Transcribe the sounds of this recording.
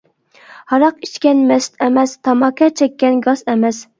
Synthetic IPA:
hɑɾɑqit͡ʃkʲɛnmɛst̪ɛmɛst̪ʰɑmɑkʲʰɑt͡ʃʰɛkʲːɛnɡɑzɛmɛs

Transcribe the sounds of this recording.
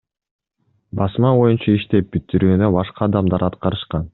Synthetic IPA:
bɑsmɑβo̞junt͡ʃɑiʃt̪e̞p̚bit̪ːiɾyːnø̞bɑʃqɑːd̪ɑmd̪ɑɾɑt̪qɑɾɯʃqɑn

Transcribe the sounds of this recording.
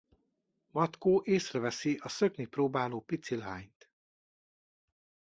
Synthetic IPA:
mɒt̪koːʔeːsrɛvɛsiʔɒsø̞kniproːbaːloːpit̪silɦaːɲt̪

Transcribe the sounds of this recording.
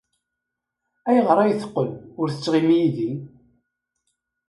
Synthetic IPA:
æjəʁɾˤɑjəθqːəlʊɾθə̥t͡sːʁimijiði

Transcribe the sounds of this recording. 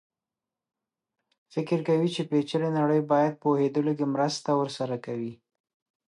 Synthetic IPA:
fɪkɪɾkawit͡ʃepet͡ʃəɾenaɽəjbɑjad̪̚pohed̪əlok̬emɾəst̪awəɾsaɾakawi

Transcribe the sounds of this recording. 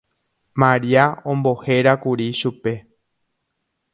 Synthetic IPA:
mãɾiaõmbo̞he̞ɾakuɾiʃupe̞

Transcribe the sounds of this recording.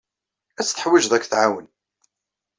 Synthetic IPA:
æt͡sːθə̥ħwiʒðækːθʕawən

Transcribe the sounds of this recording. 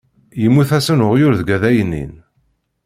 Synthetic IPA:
jəmːuθæsənʊʁjʊɾðɡæðæjənːḭn

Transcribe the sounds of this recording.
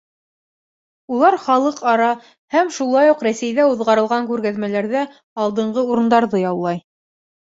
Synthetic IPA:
ulˠɑɾχɑlˠɤqɑɾɑ | hæmʃulˠɑjuqɾæsæjðæuðʁɑɾɤ̆lˠʁɑŋkʉɾɡæðmælæɾðæ | ɑlˠd̪ɤ̆ɴʁɤuɾɤ̆nd̪ɑɾðɤjɑwlˠɑj

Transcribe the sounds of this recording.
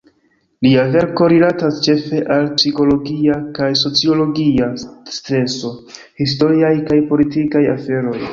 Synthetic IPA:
liave̞ɾko̞ɾilatast͡ʃe̞fe̞ʔalpsiko̞lo̞ɡiakajso̞t͡sio̞lo̞ɡiastɾe̞so̞ | his̬to̞ɾiajkajpo̞litikaja̰fe̞ɾo̞j

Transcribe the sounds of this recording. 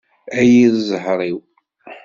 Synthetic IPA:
æjiðzəhɾˤiw

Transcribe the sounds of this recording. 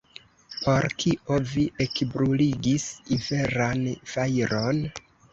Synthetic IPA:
po̞ɾkiʔo̞viʔekbɾuliɡisive̞ɾanfajɾon

